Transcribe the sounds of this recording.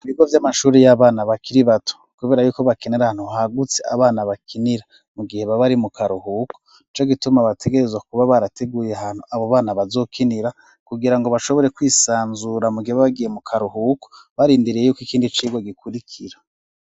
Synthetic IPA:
βiɡovjamaʃuːɾijaβaːnaβakiɾiβatʰo̥kuβe̞ːɾajuːko̞βakineɾahaːnhuɦaɡut͡sea̰βaːnaβakʰiniɾa | muɡihe̞βaβaɾimukʰaɾuhuko̥ | nit͡ʃo̞ɡitumaβatʰe̞ɡe̞ɾe̞zwakuβaβaɾate̞ɡuːje̞ɦan̥huaβoβaːnaβazo̞ːkʰiniɾa | kuɡiɾaŋɡo̞βaʃoβo̞ɾe̞kwiːsaːnzuɾamuɡiheβaβaɡije̞mukʰaɾuɦuko̥ | βaɾiːndiɾijejuːkikiːndit͡ʃiːɡwoɡikʰuɾikʰiɾa

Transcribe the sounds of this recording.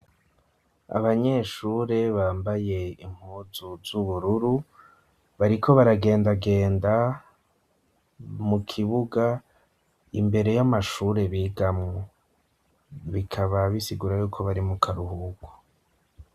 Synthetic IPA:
a̰βaɲe̞ʃuːɾe̞βaːmbaje̞iŋ̥huːzuzuβuɾuɾu | βaɾikʰo̞βaɾaɡe̞ːndaɡe̞ːnda | mukʰiβuɡa | ḭmbe̞ɾe̞jamaʃuːɾe̞βiːɡamŋo | βikʰaβaβisiɡuɾajuːkʰo̞βaɾimukʰaɾuhuɡwo̥

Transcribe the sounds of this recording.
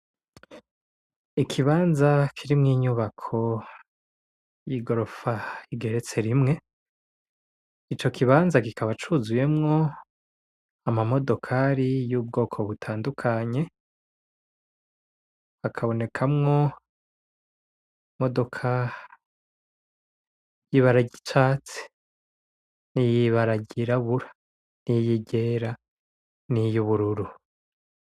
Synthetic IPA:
ikʰiβaːnzakʰiɾimŋiːɲuβakʰo̞ | jiɡo̞ɾo̞faiɡe̞ɾe̞t͡se̞ɾimŋe̞ | it͡ʃo̞kʰiβaːnzakikʰaβat͡ʃuzuje̞mŋo̞ | amamo̞do̞kʰaɾijuːb̚ɡo̞ːkʰo̞βutʰaːndukʰaɲe̞ | akʰaβo̞ne̞kʰamŋo̞ | mo̞do̞kʰa | jiβaɾaɟit͡ʃaːt͡se̥ | nijiβaɾaɟiɾaβuɾḁ | nijiɟe̞ːɾa | nijuβuɾuɾu

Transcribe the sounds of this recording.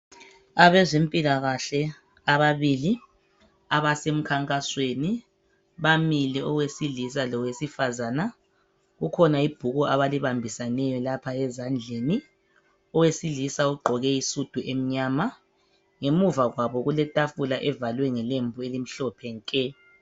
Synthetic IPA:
aβɛzempʼilaɣaɬɛ | aβaβili | aβasem̩kʰaŋkʼasweni | βamilɛɔwesilisalɔwesifazaːna | ɣukʰɔnaib̥ʱuɣɔʔaβaliβambʱisanɛjɔlapʰaɛzand͡ɮʱeni | ɔwesilisauɡ͡ǃʱɔɣɛisud̥ʱuʔem̩ɲama | ŋemuvaɣwaβɔɣulɛtʼafulaʔɛvalwɛŋɛlembʱuelim̩ɬɔpʰɛŋkʼɛ

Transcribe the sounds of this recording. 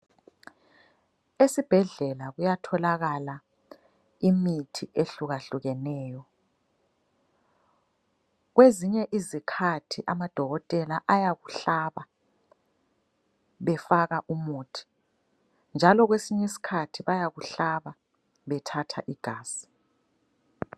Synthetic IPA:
esib̥ʱɛɮɛlaɣujatʰɔlaɣala | imitʰiʔeɬuɣaɬuɣɛnɛːjɔ | ɣweziɲɛʔizikʰatʰiʔamad̥ʱɔɣɔtʼɛlaʔajaɣuɬaːβa | βɛfaɣaʔumuːtʰi̥ | nd͡ʒʱalɔɣwesiɲesi̥kʰatʰiβajaɣuɬaβa | βɛtʰatʰa̰ʔiɡ̥ʱaːsi̥

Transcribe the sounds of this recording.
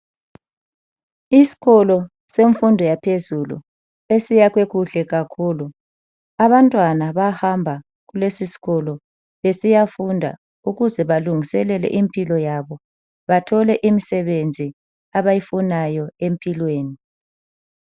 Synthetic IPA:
isi̥ɣɔlɔ | seɱfundʱɔjapʰezulṵ | esijaɣweɣuɬɛɣakʰuːlu | aβantʼwanaβahambʱa | ɣulesisi̥ɣɔlɔ | βesijafundʱa̰ | uɣuzɛβaluŋʱisɛlɛlɛ̰ʔimpʼilɔjaβɔ | βatʰɔlɛʔimisɛβend͡zʱi | aβajifunajɔempʰʼilweːni

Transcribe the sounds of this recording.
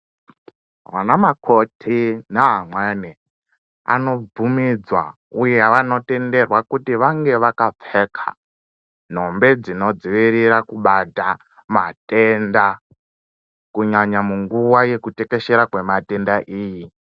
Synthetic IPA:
ʋa̰namakʰo̞tʰinaɦamwane | a̰no̞b͡vumid͡zwa̰ | ujeʋano̞te̞nde̞rwakutiʋaŋɡe̞ʋakap͡fekʰa̰ | n̤o̞mbe̞d͡zino̞d͡ziʋiɾiɾakuɓata | mate̞nda | kuɲaɲamuŋɡuwaje̞kute̞ke̞ʃe̞ɾakwe̞mate̞ndaʔiːji

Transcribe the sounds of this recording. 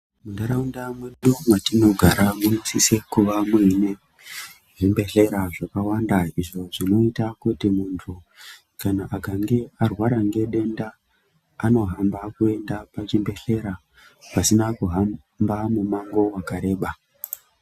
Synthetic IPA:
mundaɾaundamweɗumwatino̞ɡʱaɾamunosisekuʋamuine | ʐimbe̞ɬe̞ɾaʐakawandaiʐo̞ʐino̞itakutimuntʰu | kanaʔaɡʱaŋɡearwaɾaŋɡe̞ɗe̞ndaː | no̞ɦambakue̞ndapat͡ʃimbe̞ɬe̞ɾa | pasinakuɦa | mbamumaŋɡo̞wakaɾe̞ːɓa

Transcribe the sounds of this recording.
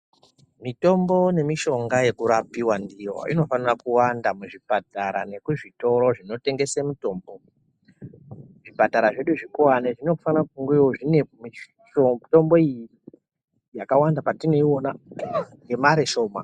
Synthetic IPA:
mito̞mbo̞ne̞miʃo̞ŋɡaje̞kuɾapiwandiwa̰ʔḭno̞fanirakuwandamuʐipataɾa̰ne̞kuʐito̞ɾo̞ʐino̞te̞ŋɡe̞semuto̞ːmbo̞ | ʐipataɾaʐe̞ɗuʐikuwaneʐine̞ku̥fanrakkuŋɡeiwoʐine̞mi | oto̞mbo̞ijii | jakawandapatine̞iwo̞naŋɡe̞maɾeʃo̞ːma̰

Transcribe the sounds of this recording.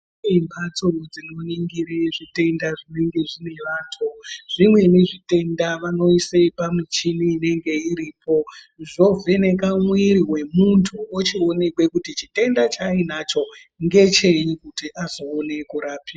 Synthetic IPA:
eimpat͡sorod͡zino̞niŋɡiɾeʐite̞ndaʐine̞ŋɡe̞ʐine̞ʋaːntʰoʐ̥imwe̞neʐite̞ndaʋano̞isepamit͡ʃiniine̞ŋɡe̞iɾiːpo̞ | ʐo̞ve̞ne̞kamwiɾiwe̞muntʰuot͡ʃio̞ne̞kwe̞kutit͡ʃite̞ndat͡ʃainat͡ʃo̞ | ŋɡe̞t͡ʃe̞ikutiʔazoːne̞kuɾapia

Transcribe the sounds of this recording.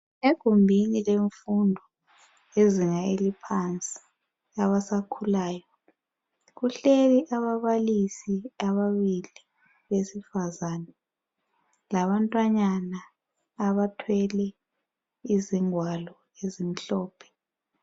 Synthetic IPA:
eɡ̥ʱumbʱinileɱfundʱɔ | eziŋaelipʰant͡sʼi̥ | aβasakʰulaːjɔ | ɣuɬeliʔaβaβalisiaβaβili | βesifazaːnɛ | laβantʼwaɲanaː | βatʰwɛlɛ | iziŋwalɔ | ezim̩ɬɔːpʰɛ̥

